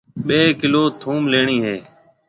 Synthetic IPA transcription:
ɓeːkɪloːt̪ʰuːmleːɳiːɦeː

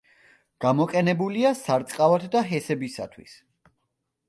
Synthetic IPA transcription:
ɡ̥amɔqʼɛnɛbuliasaɾt̪sʼqʼavat̪ʰd̪aɦɛsɛbisa̰t̪ʰwḭs

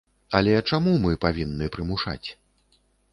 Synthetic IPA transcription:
ɐlʲɛt͡ʂamumɨpavʲinːɨpɾɨmuʂa̰t͡sʲ

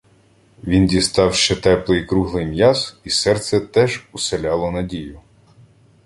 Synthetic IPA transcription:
ʋʲindʲist̪ɑwʃt͡ʃɛt̪ɛplˠɪjkɾuɦlˠɪjmjɑz̥isɛrt̪sɛt̪ɛʒuselʲɑlˠɔnɐdʲijʊ

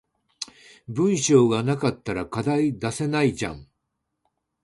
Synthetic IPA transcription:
bɯ̟̃ɰ̃ɕo̞ːɡanakat̪ːaɾakad̪aid̪ase̞naid͡ʑã̰ŋ

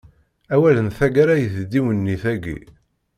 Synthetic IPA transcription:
æwælənθæɡaɾajəθd̪iwənːiθæɡḭ

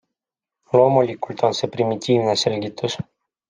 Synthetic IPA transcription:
lomolʲikulʲt̪ɔnsepɾimit̪ʲiːvnaselʲɡʲit̪us

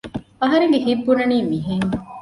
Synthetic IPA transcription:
ɐɦɐɾeŋɡeɦibːunɐniːmiɦeŋ

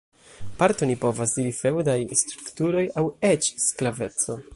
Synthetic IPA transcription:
paɾt̪onipo̞vasdiɾife̞wdajst̪ɾuktuɾo̞jawet͡ʃsklave̞t͡so̞

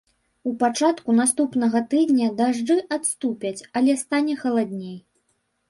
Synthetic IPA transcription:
upat͡ʂat̪kunast̪upnɐɣɐt̪ɨd̪nʲɐd̪aʐd͡ʐɨʔat̪st̪upʲɐt͡sʲɐlʲɛst̪anʲɛxɐlˠad̪ʲnʲej

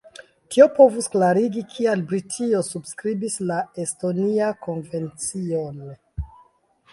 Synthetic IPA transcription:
tʰiopo̞vusklaɾiɡikʰialbɾitʰio̞subskɾibislaesto̞niako̞nve̞nt͡sion

